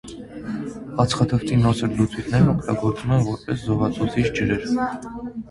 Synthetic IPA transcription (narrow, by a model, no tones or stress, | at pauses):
ɑt͡sʰχɑt̪ʰəft̪ʰinɔt͡sʰəɾlut͡sʰwit̪ʰnɛɾnɔkʰt̪ɑɡɔɾt͡sumɛnvɔɾpɛszɔvɑt͡sʰut͡sʰit͡ʃʰd͡ʒəɾɛɾ